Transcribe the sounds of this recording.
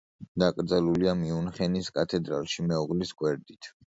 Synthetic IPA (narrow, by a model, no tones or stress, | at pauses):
d̪akʼɾd̪zɛluliamiunχɛniskʼat̪ʰɛd̪ɾa̰lˠʃimɛɔʁliskʼwɛɾd̪it̪ʰ